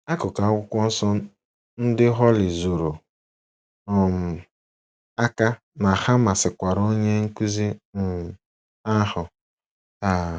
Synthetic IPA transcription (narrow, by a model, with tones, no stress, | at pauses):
a˦kʊ˨ka˨a˦kʷʊ˦kʷɔ˦n̩˦sɔ˦ | n̩˦dɪ˦ɦɔ˦lɪ˨zo˨ɾo˨ | ɔ˨m̩˨ | a˦ka˦ | na˨ha˦ma˨sɪ˨kʷa˨ɾo˦ɲe˦ŋ̩˦kʷu˦zi˦˨ | a˦hʊ˨ | ta˨